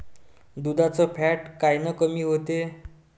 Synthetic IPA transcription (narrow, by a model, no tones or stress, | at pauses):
d̪ud̪at͡sɔpʰɛʈkajnəkəmiːɦot̪e